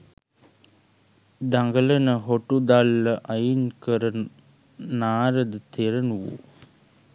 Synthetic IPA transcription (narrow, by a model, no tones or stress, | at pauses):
d̪aŋɡələnəɦoʈud̪alːəʔajinkəɾən | naːɾəd̪ət̪eɾənuʋṵ